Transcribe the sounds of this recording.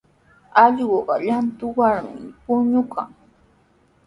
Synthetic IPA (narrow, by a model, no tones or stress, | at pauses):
ɑʎɢoɢɑʎant̪ʊwaɾmɪ̰pʊɲʊkʰa̰ŋ